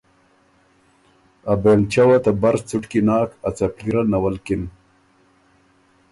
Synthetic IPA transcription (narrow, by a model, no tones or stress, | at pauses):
abeːlt͡ʃawat̪abaɾt͡suʈkinɑːkat͡sapliɾanawalkɪn